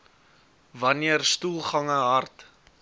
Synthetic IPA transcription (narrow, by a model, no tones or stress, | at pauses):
vɐniərstulˠχɐŋəɦɐrt